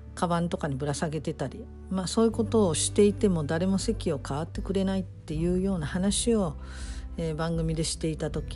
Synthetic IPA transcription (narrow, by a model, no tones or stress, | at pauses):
kaβãnt̪o̞kaɲ̟ibɯ̟ɾasaɡe̞t̪e̞t̪aɾʲi | maso̞ːjɯ̟ko̞t̪o̞ːɕi̥t̪e̞it̪e̞mo̞d̪aɾe̞mo̞se̞kʲio̞kaβat̪ːe̞kɯ̟ɾe̞nait̪ːe̞jɯ̟ːjo̞ːnahanaɕio̞ | eːbãŋɡɯ̟mʲid̪e̞ɕi̥t̪e̞it̪at̪o̞kʲi